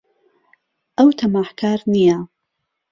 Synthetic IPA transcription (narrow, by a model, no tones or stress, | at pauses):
ʔɐwt̪ʰɐmaːħkʰaːɾnija